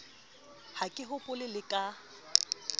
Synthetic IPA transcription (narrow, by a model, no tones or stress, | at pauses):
hakʼɪɦʊpʼʊlɪlɪkʼa